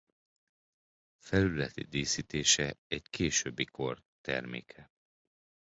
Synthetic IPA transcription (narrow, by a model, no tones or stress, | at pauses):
fɛlylɛt̪id̪eːsit̪eːʃɛɛɟkeːʃøbːiko̞r | t̪ɛ̰rmḛːkʰɛ